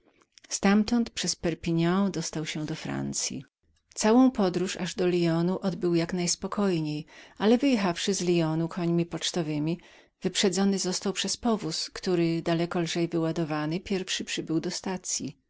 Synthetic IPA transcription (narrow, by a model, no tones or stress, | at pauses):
st̪amt̪ɔnt̪pʂɛspɛɾpʲiɲãd̪ɔst̪awɕɛ̃d̪ɔfɾa̰nt̪sʲjḭ | t̪sawɔ̃w̃pɔd̪ɾuʂaʐd̪ɔlʲijɔnuʔɔd̪bɘwjaknajspɔkʰɔjɲejʔalɛvɘjɛxafʂɘzlʲijɔnukʰɔɲmʲipɔt͡ʂt̪ɔvɘmʲi | vɘpʂɛd̪zɔnɘzɔst̪awpʂɛspɔvuskt̪uɾɘd̪alɛkɔlʐɛjvɘwad̪ɔvanɘpʲjɛɾfʂɘpʂɘbɘwd̪ɔst̪at̪sʲji